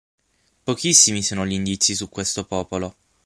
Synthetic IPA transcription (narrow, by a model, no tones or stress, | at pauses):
pokisːimisoːnoʎind̪it̪sisukwest̪opɔːpolo